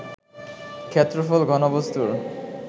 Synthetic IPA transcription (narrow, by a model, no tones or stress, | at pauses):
kʰet̪ːɾofolɡʱɔnobost̪uɾ